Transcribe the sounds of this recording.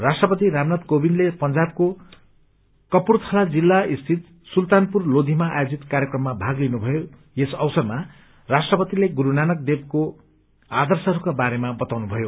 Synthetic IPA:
rasʈrʌpʌt̪iɾamnad̪kobinlepʌnd͡zab̚ko | kʌpurt͡sʰʌlad͡zilːaist̪ʰit̪̚ | sult̪anpurlod̪ʱimaʔa̰jod͡zit̪kaɾjʌkrʌmːabʱaɡlinubʱʌjo | jesʌwsʌrma | rasʈrʌpʌt̪ileɡuɾunanʌk̚d̪eb̚ko | ad̪ʌrsʌɾukabaɾemabʌt̪awnubʱʌjo

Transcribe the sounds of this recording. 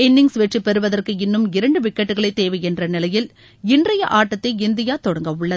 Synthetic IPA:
ɛnːɪŋsʋɛʈripɛɾɯʋɐðɐrkɯɪnːɯmɪɾɐɳɖɯʋɪkːɐʈːɯɣɐɭɐɪt̪ːeːʋɐɪɛndrɐnɪlɐjɪl | ɪndrɐjɐʔaːʈːɐt̪ːɐɪɪnd̪ɪjaːt̪ɔɽɐŋɡɐʋʊɭːɐð

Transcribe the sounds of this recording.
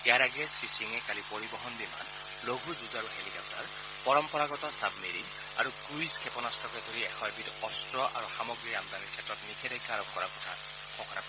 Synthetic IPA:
ɛjaɹaɡɛsisiŋɛkalipoɹibɔɦɔndima̰n | loɡʱuzuzaɹuhelikɔp̚ta̰ɹ | pɔɹɔmpɔɹaɡɔtɔsabmiɹiŋ | a̰ɹukuiskʰɛpɔnastʰɔkɛd̪ʱoɹiɛxʰɔjbitɔstɹɔʔa̰ɹuxamɔɡɹiɹamdanikʰɛtɹɔtnikʰɛdɛjkaɹɔk̚kɔɹa̰pɔ̥tʰa | kʰɔkɔna̰p

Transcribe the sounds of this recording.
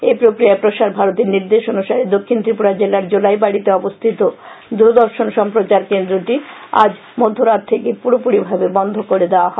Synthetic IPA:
epɾokɾiapɾoʃaɾbʱaɾot̪iɾniɾd̪eʃonuʃaɾed̪okʰːint̪ɾipuɽad͡ʑelaɾd͡ʑolajbaɽit̪eɔbost̪ʰit̪od̪ud̪ɔɾʃonʃɔmpɾot͡ɕaɾkend̪ɾoʈia̰d͡ʑ | mod̪ʱːoɾad̪̚t̪ʰekepuɾopuɽibʱabebɔnd̪ʱokoɾed̪eoaɦɔe

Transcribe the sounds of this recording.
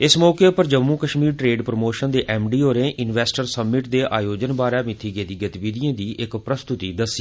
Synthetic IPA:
ɪsmɔːkeːpəɾd͡ʒəmːũːkəʃmiːɾʈɾeːɖpɾəmoːʃənd̪eːʔɛːmɖiːɦoːɾẽːʔɪnʋɛːsʈəɾsəbːɪʈd̪eːʔaːjoːd͡ʒənbaːɾɛːmɪt̪ʰːiːɡet̪iːɡət̪ɪʋɪd̪ijãːd̪iːʔɪkpɾəst̪ʊt̪iːd̪əsːi

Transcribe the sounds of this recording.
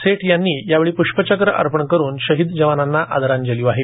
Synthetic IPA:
seʈjanːiːjaʋeɭiːpuʂpət͡ɕəkɾəʔa̰ɾpəɳkəɾuːnɕəɦid̪d͡ʑəʋananːaʔa̰d̪əɾãnd͡ʑəliʋaɦe

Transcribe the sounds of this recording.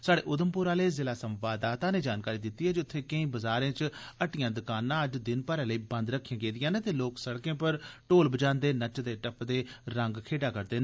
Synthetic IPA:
saːɽeːʔʊd̪əmpʊɾaːleːzɪlaːsəmʋaːd̪aːt̪ãːneːd͡ʒaːnkaːɾiːd̪ɪt̪ːiːɦɛːd͡ʒʊt̪ʰːeːkəĩːbəzaːɾẽːt͡ʃəʈɪjãːd̪ʊkaːnãːəd͡ʒd̪ɪnpəɾãːləiːbə̃nd̪ɾəkʰːijãːɡeːd̪ɪjãːneːt̪eːloːksəɽkẽːpəɾʈoːlbəd͡ʒãːnd̪eːnət͡ʃd̪eːʈəpd̪eːɾəŋɡkʰeːʈaːkəɾd̪eːn

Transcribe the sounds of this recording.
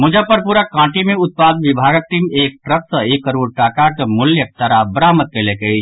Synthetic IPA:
mʊd͡ʒəpːəɾpuɾakãːʈimẽʊt̪̚paːd̪ʋɪbʱaːɡək̚ʈimeːk̚ʈɾət̪̚səeːkːəɾoːɾʈaːkakəmʊljək̚t̪əɾabəɾaːmət̪̚kelekei

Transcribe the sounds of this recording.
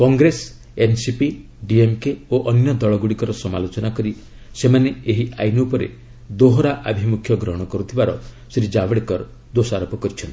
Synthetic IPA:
kɔŋɡɾes | ensipi | ɖiemkeoʔɔnjɔd̪ɔɭɔɡuɽikɔɾɔsɔmalot͡ʃɔnakɔɾi | semaneeɦia̰jnupɔɾḛ | d̪oɦoɾaʔabʱimukʰjɔɡɾɔɦɔɽ̃ɔkɔɾut̪ʰibaɾɔ | siɾid͡ʒabɔɽekɔɾ | d̪osaɾɔpɔkɔɾit͡ʃʰɔnt̪i̥

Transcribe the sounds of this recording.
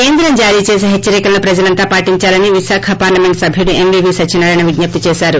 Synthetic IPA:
keːnd̪ɾɐmd͡ʒaːɾiːt͡ʃeːs̬eɦet͡ʃːɐɾikɐlɐnupɾɐd͡ʒɐlɐnt̪aːpaːʈiɲt͡ʃaːlɐniʋiʃaːkʰɐpaːɾlɐme̞ɳʈsɐbʱiuɽue̞mʋibiːsɐt͡ʃinːɐɾɐjnɐʋiɡnɐp̚t̪it͡ʃɛːʃaːɾu

